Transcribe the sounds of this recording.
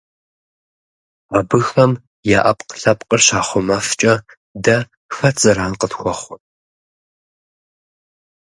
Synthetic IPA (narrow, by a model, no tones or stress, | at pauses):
aːbɨxɐm | jaːʔɐpʼqə̥ɬɐpʼqʼərɕaːχʷɔmɐft͡ʃʼɐ | dɐ | fɐt͡sʼɐɾaːnqətxʷɔχʷʊ